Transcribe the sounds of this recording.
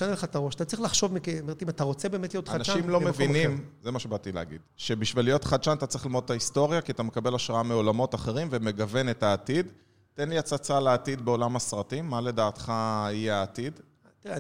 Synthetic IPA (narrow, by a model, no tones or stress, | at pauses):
aneleχat̪aʁo̞ʃatatt͡sʁiχlaχʃo̞vmikemeʁtimat̪aʁo̞t͡sebeːme̞tlijot̪anaʃaimlomevvinimzemaʃebat̪ileaɡḭdʃe̞biʃvilijo̞tχad̪ʃanatat͡sʁiχlimo̞d̪et̪aisto̞ʁjakiat̪ame̞kabe̞laʃʁaameo̞lamo̞t̪aχe̞ʁimveme̞ɡave̞ne̞taːt̪id | te̞nliat͡sat͡saleːtid̪̚be̞o̞lamasʁatimːale̞daːt̪χaijeaːtid | t̪iʁe